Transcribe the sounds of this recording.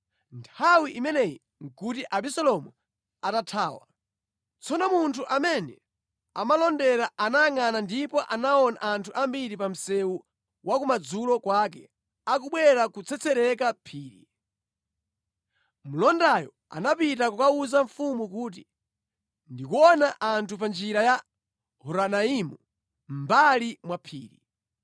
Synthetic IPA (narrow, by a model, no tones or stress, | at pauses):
ntʰawiʔimɛnɛji | ŋ̩kut̬iʔaɓisɛlɔmu | atatʰaːwa̰ | t͡sʰɔnɔmuntʰuʔamɛnɛ | amalɔndɛɾaanajaŋanandipɔʔanaɔna̰ʔantʰuʔambiɾipam̩sɛu | wʔakumad͡zulɔkwak̬ɛ | akuɓwɛɾakut͡sʰɛt͡sʰɛɾɛkapʰiːɾḭ | mulɔndajɔ̰ | a̰napitakukauzaɱfumukuːt̬i | ndikuɔnaʔantʰup̬and͡ʒiɾaja | hɔɾanaimu | mmbalimwapʰiːɾḭ